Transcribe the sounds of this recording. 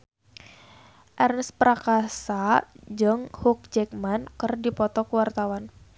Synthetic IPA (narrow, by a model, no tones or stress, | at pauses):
ʔɛrnəspəɾakasad͡ʒɨŋhuk̚d͡ʒɛk̚mankɨrdipɔt̪ɔkuwart̪awan